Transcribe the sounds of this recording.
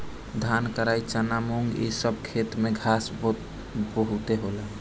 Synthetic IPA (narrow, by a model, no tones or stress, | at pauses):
d̪ʱankəɾait͡ʃanamoŋɡḭsəb̚kʰet̪meɡʱas | bəɦut̪eɦola